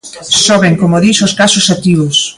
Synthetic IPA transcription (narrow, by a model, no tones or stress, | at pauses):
sɔβeŋkomoðisoskasʊsat̪iβos